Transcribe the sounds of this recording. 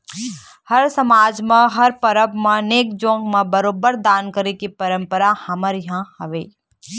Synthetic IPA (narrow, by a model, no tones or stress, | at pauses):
hɐɾsɐmaːd͡ʒmẽɦɐɾpɐɾəbmẽneːk̚d͡ʒõːŋɡmẽbɐɾoːbəɾd̪aːnkəɾekipɐɾə̃mpəɾahɐməɾjɦãhɐʋeː